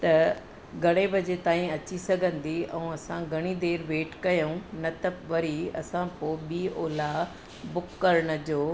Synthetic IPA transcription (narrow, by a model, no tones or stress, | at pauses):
t̪ɐ | ɡʱɐɽ̃ebʱɐd͡ʑet̪aːĩɐt͡ɕisɐɡʱə̃nd̪iɛ̃ũɐsãɡʱɐɽ̃id̪eːɾʋeːʈkɐjoũnɐt̪ɐpʋɐɾiɐsãpoːɓiːoːla | bʊkːɐɾɽ̃̆d͡ʑoː